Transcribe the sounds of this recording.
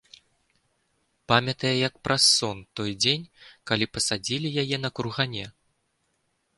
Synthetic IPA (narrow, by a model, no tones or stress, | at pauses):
pamʲɐt̪ɐjɛjɐk̚pɾʔasːɔnt̪ɔjd͡zʲenʲkalʲipɐsad͡zʲilʲijajɛn̪ɐkɾuɣanʲɛ